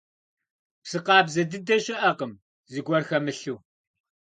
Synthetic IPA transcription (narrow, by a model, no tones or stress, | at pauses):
psɨqɑːbzɐdɨdɐɕʼɪʔɐqəm | ziɡʷɔrxɐmɨɬuː